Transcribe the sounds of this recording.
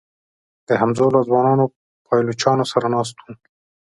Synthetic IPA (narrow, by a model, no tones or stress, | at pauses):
d̪̥əɦamzolazwɑnɑːno | pʰɑjlut͡ʃɑnosaɾanɑːs̬t̪ũ